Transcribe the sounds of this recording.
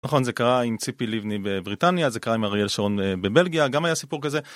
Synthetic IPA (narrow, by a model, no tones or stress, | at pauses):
naχo̞nzekaʁaimt͡sipilivnibebʁitanjazekaʁaimaʁɡelʃaʁo̞nebebe̞lɡijaɡamajasipuʁkaze̞